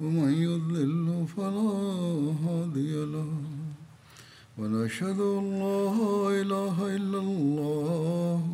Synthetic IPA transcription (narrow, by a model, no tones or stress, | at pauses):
wɐmanjʊðˤlɪlhʊfalaːɦaːd̪ɪjalah | wanʔaʃhad̪ʊʔalːaːɦʔɪlaːɦaʔɪlːallˤːɑːh